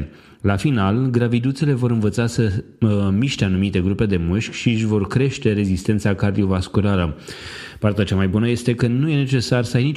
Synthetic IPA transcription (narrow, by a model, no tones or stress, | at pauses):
lafinalɡɾavid̪ut̪sele̞vo̞ɾɨnvət̪sasə | miʃt̪eanumit̪e̞ɡɾupe̞d̪e̞mɨʃkʲʃiɨʃʲvo̞rkɾe̞ʃt̪e̞ɾe̞zist̪e̞nt̪sakard̪io̞vaskuɾalə | part̪eat͡ʃamajbunəje̞st̪e̞kənuje̞ne̞t͡ʃe̞sarsəajnit͡ʃ